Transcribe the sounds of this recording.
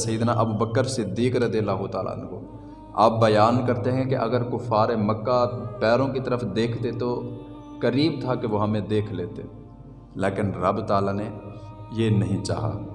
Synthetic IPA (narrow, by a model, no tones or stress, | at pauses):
sɐiːd̪naʔɐbuːbəkːəɾsɪd̪ːiːkɾɐd̪iələɦut̪aːla̰ːn̰ko | a̰ːp̚bɐjaːnkɐɾt̪eɦɛ̃keʔɐɡəɾkʊfaːɾemɐkːapɛːɾõkit̪əɾəfd̪eːkʰt̪et̪o | kɐɾiːbt̪ʰakeʋoɦɐmẽd̪eːkʰleːt̪e | leːkɪnɾɐbt̪aːlane | jenɐɦĩt͡ʃa̰ːɦa̰ː